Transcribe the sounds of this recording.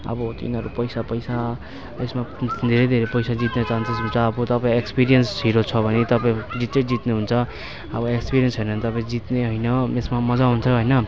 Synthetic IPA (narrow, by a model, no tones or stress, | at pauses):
ʌ̰bʌt̪ḭnʌɾupʌjsapʌjsa | esmad̪ʱeɾʌjd̪ʱeɾepʌjsad͡zit̪nʌt͡saɦnt̪ʰʌsɦunt͡sʰʌːbʌt̪ʌpaĩekspiɾijʌnsɦiɾot͡sʰʌbʱʌnet̪ʌpaĩd͡zit͡sʌjd͡zit̪neɦunt͡sʰʌ | ʌbʌekspiɾijʌnsɦʌjnʌnt̪ʌpaĩd͡zit̪neɦʌjnʌesmamʌd͡zaɦunt͡sʰʌɦojnʌ